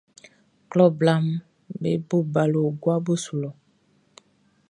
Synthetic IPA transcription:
klɔ˦bla˦m | be˦bo˦ba˨lo˨ɡwa˦bo˦su˨lɔ˨

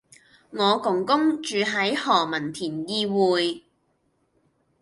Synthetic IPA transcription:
ŋɔː˨˧kʊ˨˩ŋkʊ˥ŋt͡ʃyː˨˧ɦɐ˨˥jhɔː˨˩mɐ˨˩nt̪ʰiː˨˩njiː˧wuː˨j

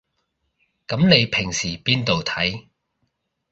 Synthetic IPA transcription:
kɐ˨˥mne˨˧jpʰɪ˨˩ŋsiː˨˩piː˥nt̪o˨wt̪ʰɐ˨˥j

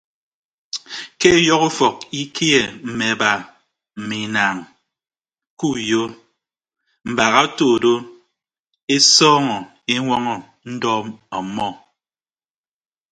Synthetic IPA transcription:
ke˦jɔ˦ku˦fɔ˨k̚i˦kʰi˦e˨m̩˨me˨ba˨ | m̩˨mi˨na˨ŋ | ku˦jo˦ | m̩˨ba˨ɣa˦to˨do˦ | e˦sɔː˦ŋɔ˨ | e˦ŋʷɔ˦ŋɔ˨ | n̩˦dɔ˦ɔ˨˦mɔ˦˨

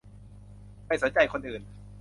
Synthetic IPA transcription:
ma˧˩jsu˩˦nt͡ɕa˧jkʰo˧nʔɯː˨˩n

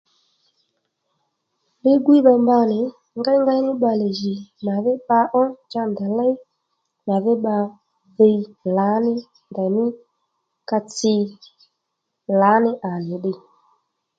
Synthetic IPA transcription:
lɪ˦ɡwi˦ɓa˧mba˧nɪ˨ | ŋɡa˦ŋɡa˦jnɪ˦ɓa˧le˨ʒi˨ma˨ðɪ˦ɓa˧ʔɔ˦d͡ʒa˦nda˨la˦j | ma˨ðɪ˦ɓa˧ | ðe˧˦la˨˦nɪ˦ | nda˨nɪ˦ | ka˧t͡sɪ˧ | la˨˦nɪ˦ʔa˨nɪ˨ɗɪ˧

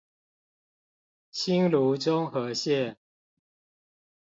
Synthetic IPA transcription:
t͡ɕʰi˦nlu˨˦t͡sʊ˦ŋxɤ˨˦ɕjɛ˥˨n

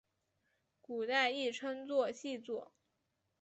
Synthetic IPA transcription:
ku˨˩t̪a˥˧ɪi˥˩ʈ͡ʂʰɤ˥ŋt͡swɔ˥˧ɕi˥˧t͡swɔ˥˩

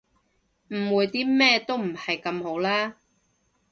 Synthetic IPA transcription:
m̩˨˩wuː˨˧jt̪iː˥mɛː˥t̪o˥wm̩˨˩hɐ˨jkɐ˧mho˨˥wlaː˥

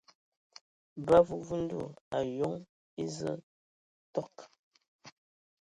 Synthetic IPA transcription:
ba˦vu˦vu˦n̩˦dṵ˦˨a˨jo˦ŋ | e˦zə˦ | tɔ˦k

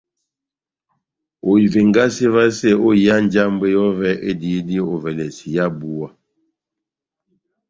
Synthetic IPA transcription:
o˨i˨ve˨ŋɡa˦se˦va˦se˦o˦ja˦n˦d͡ʒa˦m˦be˦jɔ˦vɛ˦ʔe˦di˨˦di˦o˨vɛ˨lɛ˨si˨ja˦bu˦wa˦

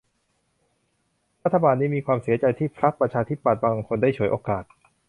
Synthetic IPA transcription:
ɾa˦˥t̪ʰːa˧baː˧nːiː˦˥miː˧kʰwaː˧msi˩˦ɐt͡ɕa˧jt̪ʰiː˥˩pʰɾa˦˥pɾa˧t͡ɕʰaː˧t̪ʰi˦˥˩pːa˨˩t̪̚baː˧ŋkʰo˧nda˥˩jt͡ɕʰu˩˦jʔoː˧kaː˨˩t̪̚

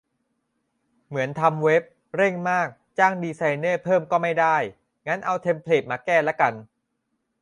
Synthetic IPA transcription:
mɯ˩˦ənt̪ʰa˧mwe˦˥p̚ | ɾe˥˩ŋmaː˥˩k̚t͡ɕaː˥˩ŋdiː˧sa˧jnɤː˥˩pʰɤː˥˩mkɔː˥˩ma˥˩jda˥˩j | ŋa˦˥nʔa˧wt̪ʰe˧mpʰleː˨˩t̪̚maː˧˥kɛː˥˩lɛ˦˥ka˧n

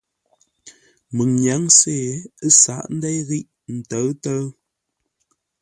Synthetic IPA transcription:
mɨ˨ŋɲja˨˦ŋse˦˨ə˦sa˨˦˨ʔn̩˦dɛ˦jɣi˦ʔ | n̩˨tə˨˦tə˦

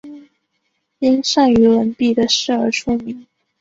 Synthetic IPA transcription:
i˥nʂa˥˩ŋy˧˥wə˧˥npi˥˩d̪ə˩ʂɻ̩˥˩ə˞˧˥ʈ͡ʂʰu˥mi˧˥ŋ

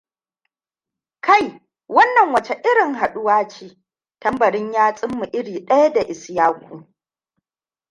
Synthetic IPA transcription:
ka˦˨j | wɐ˦nːɐ˨ŋwɐ˨t͡ʃe˦ʔɪ˦ɽɪ˨ŋɦa˨ɗʊ˦waː˦t͡ʃiː˦ | tɐ˦mbɐ˨ɽɪ˦ɲjaː˦t͡sʼɪ˦mːu˨ʔɪ˦ɽiː˨ɗɐ˦ja˦da˨ʔɪ˨sjaː˦kʷuː˨

